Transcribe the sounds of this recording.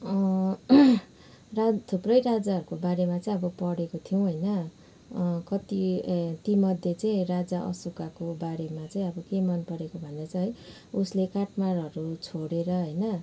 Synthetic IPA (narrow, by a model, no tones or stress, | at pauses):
ʌ | rat̪ʰuprʌjɾad͡zaʌɾukobaɾemat͡saĩʌbʌpʌɽekot̪ʰijoũɦʌjnʌ | kʌt̪it̪imʌd̪ʱjet͡saĩrad͡zaʔʌ̰sukakobaɾemat͡saĩʌbʌkemʌnpʌɾekobʱʌnd̪at͡sãɦʌj | uslekaʈmaɾʌɾut͡sʰoɽeɾʌɦʌjnʌ